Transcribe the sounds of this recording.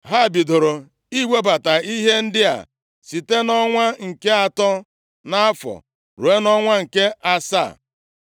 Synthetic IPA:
ɦa˦˨bi˨dʊ˨ɾʊ˨ | i˦wʷe˦ba˨ta˨i˦ɦe˦n̩˦dɪ˦a̰˨ | si˨te˦nɔ˦ŋʷa˦ŋ̩˨ke˦a˨tɔ˦ | na˦a˦fɔ̰˨ | ɾu˨e˦nɔ˦ŋʷa˦ŋ̩˨ke˦a˦sa̰˦˨

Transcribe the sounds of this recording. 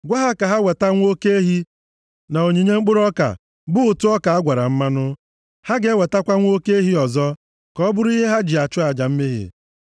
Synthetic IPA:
ɡʷa˦ɦa˦ka˨ɦa˦we˨ta˦ŋʷ˦o˦ke˦e˦ɦi˦ | na˨o˨ɲe˨ɲe˦ŋ͡m̩˦k͡pʊ˦ɾɔ˦ka̰˨ | bʊ˦ʊ˨tʊ˦ɔ˦ka˨a˦ɡʷa˨ɾa̰˨m̩˦ma˦nʊ˦ | ha˦ɡe˨˦we˨ta˦kʷa˦ŋʷ˦o˦ke˦e˦ɦi˦ɔ˨zɔ˦ | kɔ˦bʊ˦ɾʊ˦i˦ɦe˦ɦa˦d͡ʒi˨a˨t͡ʃʊ˦a˨d͡ʒa˨m̩˦me˦ɦɪ̰˨

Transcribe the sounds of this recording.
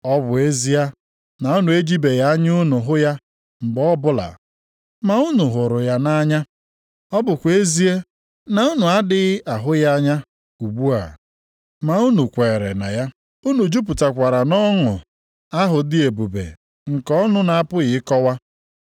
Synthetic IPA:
ɔ˦bʊ˨e˦zi˦a˦ | na˨u˦nu˨e˦d͡ʒi˦be˨ja˦ɲ˦ʊ˦nʊ˨ɦʊ˦ja˦ | m̩˨bɔ˦bʊ˦la̰˨ | ma˨ʊ˦nʊ˨ɦʊ˨ɾʊ˨ja˦na˦ɲa˦ | ɔ˦bʊ˨kʷe˦zi˦e˦ | na˨ʊ˦nu˨a˦dɪ˦ɣʔa˨ɦʊ˦ja˦ɲa˦ | u˨ɡ͡bu˦a̰˨ | ma˨u˦nu˨kʷe˨ɾḛ˨na̰˨ja˦ | u˦nu˨d͡ʒu˦p̬u˨ta˨kʷa˨ɾa˨nɔ˦ŋʊ̰˨ | a˦ɦʊ˨dɪ˦e˨bu˨bḛ˨ | ŋ̩˨kɔ˦nʊ˦na˨a˦pʊ˦ɣɪ˨ɪ˦kɔ˦wa˦

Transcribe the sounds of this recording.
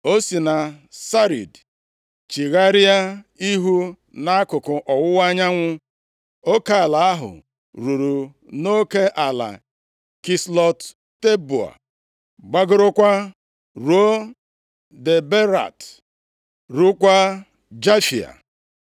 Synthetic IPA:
o˦si˨na˨sa˦ɾḭ˨d | t͡ʃi˨ɣa˦ɾi˦a˦i˦ɦu˦ | na˦kʊ˨kʊ˨ʔɔ˨wʊ˦wa˦ɲa˦ŋʷʊ˦ | o˦ke˦a˨la˨a˦ɦʊ̰˨ | ɾu˨ɾu˨ | no˦ke˦ʔa˨la̰˨ | ki˦slɔ˦tː | e˦bu˨a̰˨ | ɡ͡ba˦ɡʊ˦ɾʊ˦kʷa˦ | ɾo˦ | de˨be˦ɾa̰˨t | ɾu˦kʷa˦ | d͡ʒa˦fi˨a̰˨

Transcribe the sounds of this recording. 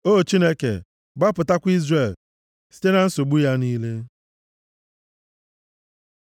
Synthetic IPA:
o˦˨t͡ʃi˦ne˦kḛ˨ | ɡ͡ba˦pʊ˨ta˦kʷi˦zre˨l | si̥˦te˦na˦n̩˦so˨ɡ͡bu˦ja˦niː˦le˦

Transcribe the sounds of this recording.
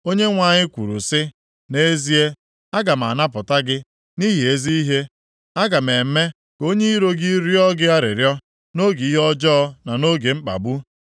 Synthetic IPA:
o˦ɲe˦ŋʷa˨ɲɪ˦kʷṵ˨ɾṵ˨sɪ˦ | ne˦zi˦e˦ | a˦ɡa˨m̩˨a̰˨na˦pʊ˨ta˦ɡɪ˦ | ni˦ɦi˨e˦zi˦i˦ɦe˦ | a˦ɡa˨me˨m̩˦me˦ | ko˦ɲe˦i˦ɾo˦ɡi˦ɾjɔ˦ɡɪ˦a˦ɾɪ̰˨ɾjɔ˦ | no˦ɡi˨i˦ɦɔ˦d͡ʒɔ˦ɔ˦na˨no˦ɡe˨mŋ͡m̩˦k͡pa̰˨bu˦

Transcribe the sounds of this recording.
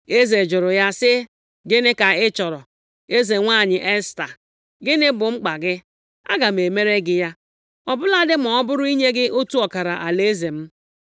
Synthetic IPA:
e˦ze˨d͡ʒʊ˨ɾʊ˨ja˦sɪ˦ | ɡɪ˦nɪ˦ka˨ɪ˦t͡ʃɔ˨ɾɔ˨ | e˦ze˨ŋʷa˦˨ɲɪ˨ʔe˦sta˨ | ɡɪ˦nɪ˦bʊ˨ŋ͡m̩˦k͡pa˨ɡɪ˦ | a̰˦ɡa˨m̩˨e˨me˦ɾe˦ɡɪ˦ja˦ | ɔ˨bʊ˦la˦dɪ˦m̩˨ɔ˨ɔ˦bʊ˦ɾʊ˦i˦ɲe˦ɡɪ˦ʔo˦tu˦ɔ˨ka˨ɾa˨ʔa˨le˦ze˨m̩˦

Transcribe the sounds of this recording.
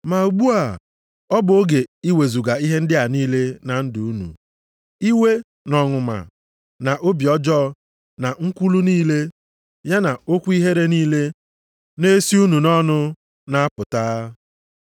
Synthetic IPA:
ma˨u˨ɡ͡bu˦a˨ | ɔ˦bʊ˨o˦ɡe˨i˦we˨zu˨ɡa˨i˦ɦe˦n̩˦dɪ˦a˨niː˦le˦na˨n̩˦dʊ˨u˦nṵ˨ | i˦we˦ | nɔ˨ŋʊ˨ma̰˨ | na˨ʔo˦bjɔ˦d͡ʒɔː˦˨ | na˨ŋ̩˦kʷu˦lu˦niː˦le˦ | ja˦na˨o˦kʷi˦ɦe˦ɾe˦niː˦le˦ | ne˦si˦u˦nu˨nɔ˦nʊ˦ | na˦a˦pʊ˨taː˦

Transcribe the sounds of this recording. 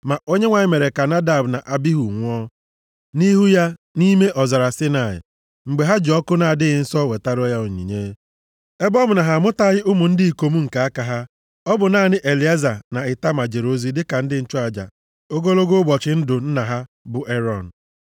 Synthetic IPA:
ma˨ʔo˦ɲe˦ŋʷa˨ɲɪ˦me˨ɾe˨ka˨na˦da˨bna˨ʔa˦bi˦ɦu˨ŋʷʊ˦ɔ˦ | ni˦ɦu˦ja˦ | ni˦me˦ʔɔ˨za˨ɾa˨sɪ˦na˨ɪ̰˨ | ŋ͡m̩˨ɡ͡be˨ɦa˦d͡ʒɔ˦kʊ˦na˨a˨dɪ˦ɣɪ˨n̩˦sɔ˦˨we˨ta˦ɾɔ˦ja˦ʊ˨ɲḭ˨ɲe˦ | e˦bɔ˦mʊ˨na˨ɦa˨mʊ˦ta˦ɣɪ˦ʊ˦mʊ˨n̩˦dɪ˦i˨ko˨mu˦ŋ̩˨ka˨a˦ka˨ɦa˦ | ɔ˦bʊ˨na˦˨nɪ˦ʔe˨li˨˦a˦za˨na˨ɪ˨ta˦ma˨d͡ʒe˨ɾo˦zi˦dɪ˦ka˨n̩˦dɪ˦n̩˦t͡ʃʊ˦a˨d͡ʒa̰˨ | o˦ɡo˦lo˦ɡo˦bɔ˨t͡ʃɪ˨n̩˦dʊ˨n̩˦na˨ɦa˦ | bʊ˨ʔe˦ɾɔ˨n̩˨

